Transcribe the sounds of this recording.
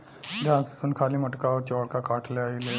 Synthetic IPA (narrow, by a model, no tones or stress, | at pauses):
d̪ãssuːnkʰaliːməʈkawt͡ɕɔɽkakaʈʰleaile